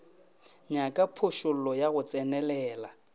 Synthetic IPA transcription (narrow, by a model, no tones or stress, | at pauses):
ɲakʼapʰʊʃʊl̩lɔjaɣʊt͡sʼɛnɛlɛːla